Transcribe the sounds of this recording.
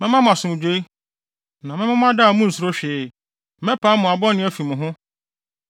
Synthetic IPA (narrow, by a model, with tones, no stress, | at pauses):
mɛ̃˦mã˦mʊ̃˨a˨sʊ˨mʊ̃˨d͡ʑᶣe˦i˦ | nã˨mɪ̃˦mã˦mʊ̃˦a˦da˦˨mũ˦n̩˨sʊ˨ɾo˦ɕᶣeː˨˦˨ | mɛ̃˦pʰa˨˦mʊ̃˨a˨bɔ˦nɪ̃˦æ˦fi˨mʊ̃˨ɦʊ̃˦